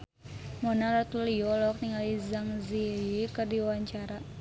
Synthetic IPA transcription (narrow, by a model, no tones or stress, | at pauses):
mɔnalat̪uliɔlɔk̚niŋalizaŋziikɨrdiwaɲt͡ʃaɾa